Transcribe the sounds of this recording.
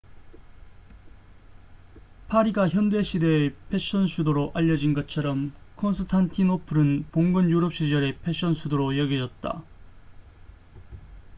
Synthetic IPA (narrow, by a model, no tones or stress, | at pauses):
pʰaɾiɡaçjʌnde̞ɕʰide̞ːpʰe̞ɕ͈ʌnsʰudoɾoʔaʎːʌd͡ʑinɡʌt͡ɕʰʌɾʌmkʰʌnsʰɯtʰantʰinopʰɯɾɯnpoŋɡɯnjuɾʌp̚ɕ͈id͡ʑʌɾe̞pʰe̞ɕ͈ʌnsʰudoɾojʌɡid͡ʑʌt̚t͈a̰